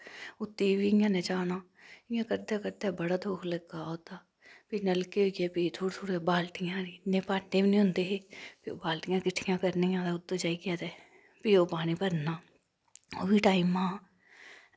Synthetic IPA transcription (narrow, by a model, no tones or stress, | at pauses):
ʊt̪ːebijãːnet͡ʃaːnaː | ãkɐɾd̪akɐɾd̪abɐɽad̪ʱoːkʰləɡaɦoːt̪aː | pinɐlkeoɡepit̪ʰuːɽt̪ʰuːɽebaːlt̪ijãːninepaːnʈebnĩʊ̃nd̪eepibaːlʈ̪ijãkɪʈʰijãkɐɾnejãːt̪aʊt̪ːod͡ʒaːikijãːt̪e | pioːpaːnipɐɾnaː | oːbiʈaːɪmːãː